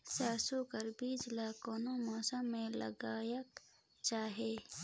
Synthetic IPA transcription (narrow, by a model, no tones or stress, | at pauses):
saːsukəɾbiːd͡ʒlaːkoːnomɔːsəmːẽlə̰ɡaːjək | t͡ʃaːɦeː